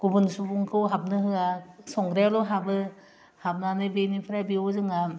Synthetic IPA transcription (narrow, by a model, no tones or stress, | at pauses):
ɡ̥ubɯnsubuŋkʰɯwɦab̚nɯɦɯasɔŋɡɾalɔɦabɯ | hab̚nanɯjbenipʰɯɾabiozɯŋa